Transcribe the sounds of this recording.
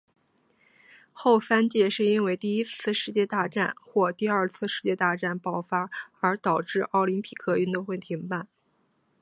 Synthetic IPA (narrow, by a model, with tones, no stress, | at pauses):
xo˥˩ʊsa˥nt͡ɕjɛ˥˧ʂɻ̩˥˩i˥nwe˥˧ɪt̪i˥˩i˥t͡sʰɹ̩˥˧ʂɻ̩˥˧t͡ɕjɛ˥˧t̪a˥˧ʈ͡ʂa˥˩nxwɔ˥˧t̪i˥˧ə˞˥˧˩t͡sʰɹ̩˥˧ʂɻ̩˥˧t͡ɕjɛ˥˧t̪a˥˧ʈ͡ʂa˥˩npɑ˥˩ʊfa˥ə˞˧˥t̪ɑ˨˩ʊʈ͡ʂɻ̩˥˩ʔɑ˥˩ʊli˧˥npʰi˨˩kʰɤ˥y˥˧nt̪o˥˧ŋxwe˥˩ɪt̪ʰi˧˥ŋpa˥˩n